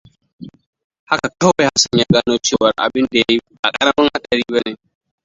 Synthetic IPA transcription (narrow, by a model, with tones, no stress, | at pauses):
ha˦ka˨ka˦ɛ˦ha˦sa˨ɲa˨ɡa˦no˦t͡ʃeː˦wa˨ɾʔa̰˨bɪ˦ndɛ˨˦ | a˨kʼa˦ɾa˦ma˦ŋha˦ɗa˨ɾi˦bɛ˦nɛ˨